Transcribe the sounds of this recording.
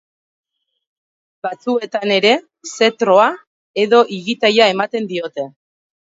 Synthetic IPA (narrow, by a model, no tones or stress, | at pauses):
bat͡sue̞t̪ane̞ɾe̞ | se̞t̪ɾo̞a | e̞ðo̞ʔiɣit̪ajae̞mat̪e̞nd̪io̞t̪e̞